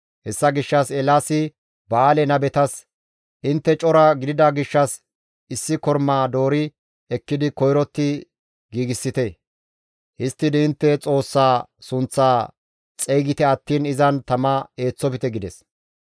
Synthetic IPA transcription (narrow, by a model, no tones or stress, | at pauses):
hɛsːɐɡɪʃːɐsɛlasɪ | baːlɛnɐbɛt̪ɐs | ʔɪnt̪ːɛt͡ʃʼɔɾɐɡɪd̪ɪd̪ɐɡɪʃːɐs | ɪsːɪkɔɾmaːd̪o̞ːɾɪ | ɛkːɪd̪ɪkɔjɾɔt̪ːɪ | ɡiːɡɪsːɪt̪ɛ | ʔɪst̪ːɪd̪ɪɪnt̪ːɛt͡sʼo̞ːsːaːsʊnt͡sːaː | t͡sʼɛjɡɪt̪ɛɐt̪ːiːnɪzɐnt̪ɐmɐe̞ːt͡sːɔpɪt̪ɛɡɪd̪ɛs